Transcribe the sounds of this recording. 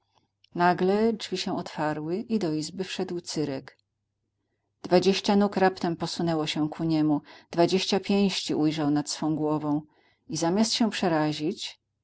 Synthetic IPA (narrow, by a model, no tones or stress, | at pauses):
naɡlɛʐvʲiɕɛ̃ɔt̪faɾwɘʔid̪ɔizbɘfʂɛd̪wt̪sɘɾɛk | d̪vad͡ʑeɕt͡ɕanukɾapt̪ɛmpɔsunɛwɔɕɛkʰuɲɛmud̪̥vad͡ʑeɕt͡ɕapʲjẽj̃ɕt͡ɕiʔujʐawnat̪sfɔ̃w̃ɡwɔvɔ̃w̃ | izamʲjast̪ɕɛ̃pʂɛɾaʑit͡ɕ